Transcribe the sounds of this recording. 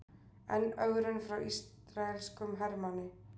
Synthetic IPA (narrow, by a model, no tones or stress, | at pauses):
ɛ̰nœɣɾʏnfɾawis | ɾaɛlskʏmɦɛɾmanɪ